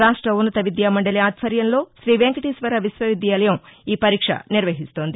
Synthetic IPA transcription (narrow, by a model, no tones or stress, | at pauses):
ɾaːʂʈɾɐunːɐt̪ɐʋid̪jaːmɐɳɖɐliaːt̪fʰɐɾjɐnlo̞ːʃɾiːʋeŋkɐʈiːsʋɐɾɐʋisʋɐʋid̪jɐɐlɐjɐmiːpɐɾiːkʂɐ̰niɾʋɐɦist̪oːnd̪i